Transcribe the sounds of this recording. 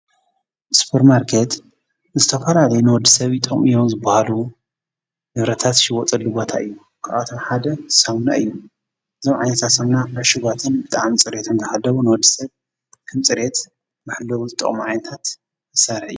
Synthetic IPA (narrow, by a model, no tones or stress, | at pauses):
su̥pʰɐɾmaɾkʰet̪ | zɨt̪ʰɐfɐlalɐjunɨwɔd̪ɨsɐβit̪ʼɨχʼmijonzɨbːahalu | nɨβɾɐt̪ʰat̪ʃɪwɔt͡sʼɐlːubo̞t̪ʰa̰ʔɨjːu | kʰaʔat̪ʰomħad̪ɐsawna̰ʔɨjːu | ɨzomʕajnɐt̪ʰasɐmnaɐʃɨɡat̪ʰɨnbɨt̪ʼaʕmit͡sʼɨɾe̞t̪ʰɨnt̪ʰɨħalːɐβunɨwɔd̪ːɨsɐβ | kʰɐmt͡sʼɨɾet̪ | maħlːɐwut̪ʼɨ̰χʼmiʕajnɐt̪ʰat̪ | zɨsɐɾħɨjːu